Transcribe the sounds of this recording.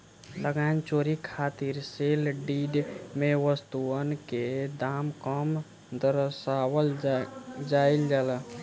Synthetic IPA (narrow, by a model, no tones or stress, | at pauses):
ləɡant͡ʃoɾikʰaːt̪iɾselɖiɖmeʋəst̪uənked̪aːmkəm | d̪əɾsawəl | d͡ʒaild͡ʒalə